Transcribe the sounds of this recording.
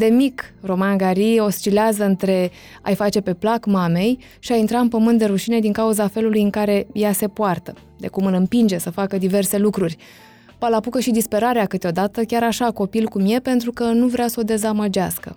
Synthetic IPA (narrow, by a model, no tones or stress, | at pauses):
d̪e̞mikro̞manɡaɾio̞st͡ʃileazəɨnt̪ɾe̞ | a̰jfat͡ʃe̞pe̞plakmame̞j | ʃiajint̪ɾaɨnpəmɨnt̪d̪e̞ɾuʃine̞d̪iŋkauzafe̞lulujɨŋkaɾe̞jase̞poart̪ə | d̪e̞̰kumɨlɨmpind͡ʒe̞səfakəd̪ive̞rse̞lukɾurʲ | palapukəʃid̪ispe̞ɾaɾeakɨt̪eo̞d̪at̪əkʲaɾaʃako̞pilkumje̞pe̞nt̪ɾukənuvɾeasəo̞d̪e̞zaməd͡ʒaskə̰